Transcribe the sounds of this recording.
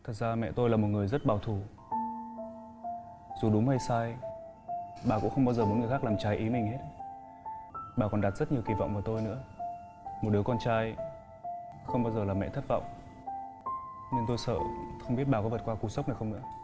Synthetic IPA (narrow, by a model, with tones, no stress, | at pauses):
t̪ʰə˨˩k̚zaː˧mɛ̰˧˨t̪o˧jlaː˨˩mo˨˩t̚ŋɨ˨˩əjzə˦˥t̚ɓaː˨˩wt̪ʰu˧˩ | zu˨˩ɗʊ˨˦ŋ͡mhə˧jsaː˧j | ɓaː˨˩kṵ˧˥ŋ͡mxə˧wŋ͡mɓaː˧wzəː˨˩mo˨˦˥nŋɨ˨˩əxa˦˥klaː˨˩mt͡ɕaː˧jʔi˨˦mï˨˩ŋ̟he˦˥t̚ | ɓaː˨˩kɔ˨˩nɗa˨˩t̚z̥ə˦˥t̚ɲ˨˩əwki˨˩va̰˧˨wŋ͡mvaː˨˩t̪o˧jnɨ̰˧˥ə | m˨˩t̚ɗɨ˨˦əkɔ˧nt͡ɕaː˧j | xə˧wŋ͡mɓaː˧wzəː˨˩laː˨˩mɛ̰˧˨t̪ʰt̚vɔ̰˧˨wŋ͡m | ɲɨ˧nt̪o˧jsə̰ː˧˨xə˧wŋ͡mɓi˦˥ət̚ɓaː˨˩kɔ̰˨˦və˨˩t̚kwaː˧ku˧˦sa˦˥wk͡p̚na˨˩jxə˧wnɨ̰˧˥ə